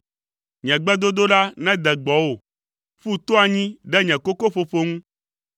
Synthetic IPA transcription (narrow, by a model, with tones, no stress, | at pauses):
ɲɛ̃˨ɡ͡bɛ˦d̪o˦d̪o˦ɖa˦nɛ̃˦d̪ɛ˨ɡ͡bɔ˨wo˦˨ | ɸu˦t̪o˦a˨ɲĩ˦ɖɛ˦ɲɛ̃˨ko˦ko˦ɸo˨ɸo˦ŋũ˦